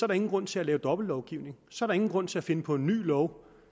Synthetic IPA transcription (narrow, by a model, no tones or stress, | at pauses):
sɒ̽æɐɾɑe̝ŋn̩ɡ̥ʁɔ̽n̰t͡sʰe̝ælɛːʊd̥ɒ̽b̥l̩ːɒʊɡ̥iʊne̝ŋsɒ̽æɐɾɑ̈e̝ŋn̩ɡʁɔ̽n̰t͡sʰe̝æfe̝nəpʰɒ̽e̝nːy̰ːlɒʊ